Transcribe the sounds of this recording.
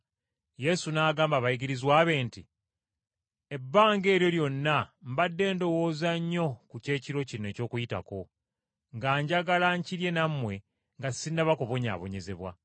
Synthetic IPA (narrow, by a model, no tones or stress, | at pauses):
je̞sunaːɡaːmbaβajiɡiɾizwaːβe̞ːnti | ebːaːŋɡe̞ːɾjo̞ljo̞nːambadːe̞ːndo̞wo̞ːzaɲːo̞kuce̞ːciɾo̞cinːe̞ːco̞ːkujita̰ko̞ | ŋɡaːɲɟaɡalaɲciɾje̞namːwe̞ | ŋɡasinːaβako̞βo̞ɲa̰ːβo̞̰ɲe̞ze̞βwa̰